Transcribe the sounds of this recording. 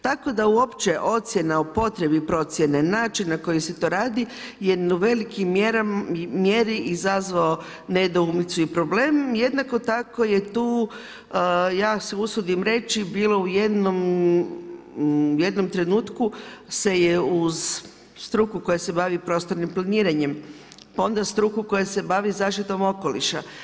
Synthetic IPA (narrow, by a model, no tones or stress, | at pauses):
t̪ako̞d̪auo̞pt͡ʃe̞ʔo̞t̪sje̞naupo̞t̪ɾe̞bipɾo̞t̪sʲje̞ne̞naːt͡ʃinːako̞jise̞t̪o̞ːɾaːd̪i | jeɾnuʋe̞likimːjeɾaimje̞ɾiʔizazʋao | ne̞d̪oumnit̪suipɾo̞ble̞ːmje̞d̪nako̞t̪ako̞je̞t̪uː | jaːseusud̪imɾe̞t͡ʃibiːlo̞ujed̪no̞m | je̞d̪no̞mt̪ɾe̞nuːt̪kuse̞jeuz | st̪ɾukuko̞jase̞baʋipɾo̞st̪oɾnimplˠaniːɾaɲe̞m | pao̞nd̪ast̪ɾukuko̞jase̞baʋizaːʃit̪o̞mo̞ko̞lḭʃa